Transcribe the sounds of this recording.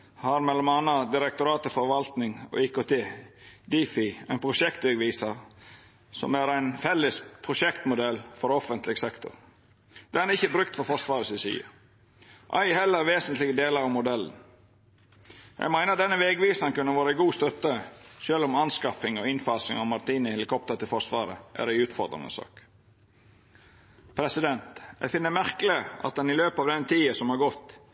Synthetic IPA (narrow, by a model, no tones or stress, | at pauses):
hɑɾmɛlːɔmɑnːɑd̪ɪɾɛk̚t̪ʊɾɑːt̪ɪfɔɾʋɑlt̪nɪŋɔ̰ːɪːkot̪ʰeːd̪iːfɪæɪnpʰɾʊʂɛkt̪ʋɛɡʋiːsəɾ | sɔ̰mæɾæɪnfɛlːəspʰɾʊʃɛkt̪mʊd̪ɛlfɔɾɔfənt̪lɪɡsɛkt̪ʰʊ̰ɾ | d̪̥ɛnæɾɪçəbɾʉk̚t̪fɔɾfɔsʋɑːɾəsɪsḭːə̰ | ʔæ̰ɪhɛlːəɾʋeːsənt̪lɪɡəd̪eːləɾɑmʊd̪ɛln̩ | jæ̰ɡmæɪnəɾd̪ɛnːəʋeɡʋiːsəŋkʉnːəʋɑːɾəæɪɡuːst̪œt̪ːəʃøːlʊmɑnskɑfɪŋɔɪnfɑːsɪŋɑʋmɑɾt̪ʰiːnəɪhɛlɪkʰɔpt̪əɾt̪ɪlfɔsʋɑ̰ːɾə̰ʔæ̰ɾæɪʉːt̪fɔ̰ɾd̪ɾɪ̰nə̰sɑ̰ːk | pʰɾɛsɪd̪ɛnt̪jæ̰fɪnːəmæɾkəlɪʔɑ̰t̪̚d̪ɛnɪløːpɑʋd̪ɛnt̪ʰiːəsɔmhɑɾɡɔt̪ː